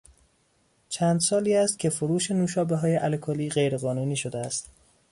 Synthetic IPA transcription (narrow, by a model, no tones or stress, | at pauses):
t͡ʃʰæːnd̪sɒːliːæst̪̚cʲʰe̞foɾuːʃenuːʃɒːbeɦɒːje̞ʔælkʰoliːɢejɾe̞ɣɒːnuːniːʃo̞d̪eæst̪